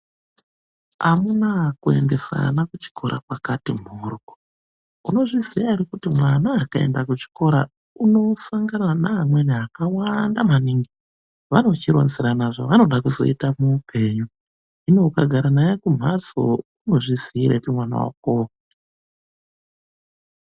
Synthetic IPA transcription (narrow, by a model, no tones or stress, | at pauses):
amunakue̞̰nde̞sa̰nakut͡ʃi̥kʰo̞ɾa̰kwakatim̤urko | uno̞ʐiz̥iaiɾikutimwanaːkae̞̰ndakut͡ʃi̥ko̞ɾa̰ | uno̞saŋɡananaːmweneakawandamaniŋɡi | ʋano̞t͡ʃiɾo̰nziɾanaʐaʋano̞ɗakuzo̞̰itamupe̞ɲu | ino̞kaɡʱaɾanajakum̤aso̰uno̞ʐiz̥iiɾa̰utimwana̰wa̰k̚ok